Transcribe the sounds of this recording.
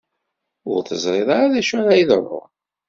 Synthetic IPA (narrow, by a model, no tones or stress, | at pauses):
ʊɾθəzˤɾˤeðˤaaðæʃʊɾajiðərˤːʊ̰